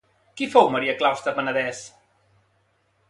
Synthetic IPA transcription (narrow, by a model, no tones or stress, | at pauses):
kifowməɾiəklawst̪əpənəðɛs